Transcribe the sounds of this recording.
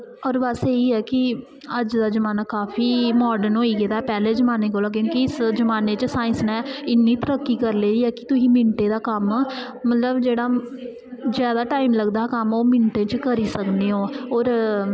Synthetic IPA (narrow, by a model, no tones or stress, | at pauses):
ɔːɾbəseːiːɦɛːkɪ | əd͡ʒd̪aːzəmaːnaːkaːfiːmɔːɾɖənoːiːɡeːd̪aːɛːpɛːleːzəmaːneːkoːlaːk̬jõːkiɪsd͡ʒəmaːneːt͡ʃsaːɪnsnɛːɪnːiːt̪əɾəkːiːkəɾleːd̪iːɛːkɪ̥t̪ʊsĩːmɪɳʈeːd̪aːkəmː | mət̪ləbd͡ʒeːɽaː | zjaːd̪aːʈaːiːmləɡd̪aːkəmoːmɪɳʈẽːt͡ʃkəɾiːsəkneːɦoːɔːɾ